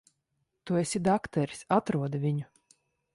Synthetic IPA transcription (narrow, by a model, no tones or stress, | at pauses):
t̪uesʲid̪akt̪ɛɾi̥sat̪ɾuɔd̪vʲiɲu